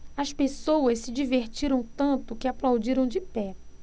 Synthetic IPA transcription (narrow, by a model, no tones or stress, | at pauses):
ɐspesowɐssɪd͡ʒiveɾt͡ʃiɾɐ̃w̃t̪ɐ̃nt̪ʊkɪaplawd͡ʒiɾɐ̃w̃d͡ʒɪpɛ